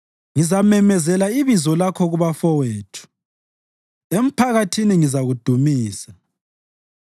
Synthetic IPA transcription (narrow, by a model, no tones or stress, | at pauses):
ŋizamɛmɛzɛlaiβizɔlakʰɔɣuβafɔweːtʰu̥ | em̩pʰaɣatʰiniŋizaɣud̥ʱumiːsa